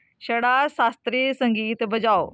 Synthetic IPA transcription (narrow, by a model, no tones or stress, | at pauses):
ʃəɽaːsaːst̪ɾiːsə̃ŋɡiːt̪bəd͡ʒaːoː